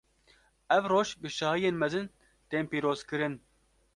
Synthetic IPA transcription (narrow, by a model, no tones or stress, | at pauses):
ɛvroːʃbɨʃɑːhɨjeːnmɛzɨn | t̪eːmpiːɾoːzkɨɾɨn